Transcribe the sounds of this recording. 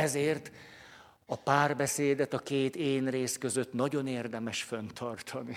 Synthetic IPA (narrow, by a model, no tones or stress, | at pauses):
ɛzeːrt̪ | ɒpaːrbɛseːd̪ɛt̪ɒkeːt̪eːnreːskø̞zø̞t̪nɒɟo̞neːrd̪ɛmɛʃfønt̪ʰɒrt̪ʰɒni